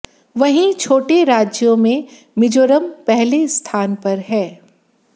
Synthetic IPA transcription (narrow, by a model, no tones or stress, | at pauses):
ʋɐɦĩt͡ʃʰoːʈeɾaːd͡ʒjõmẽ | mɪd͡ʒoːɾəmpɛɦlest̪ʰaːnpɐɾɦɛː